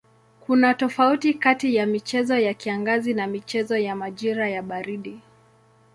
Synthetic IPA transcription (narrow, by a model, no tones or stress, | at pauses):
kunatɔfautikatijamit͡ʃɛzɔjakiaŋɡazinamit͡ʃɛzɔjamaʄiɾajaɓaɾiɗi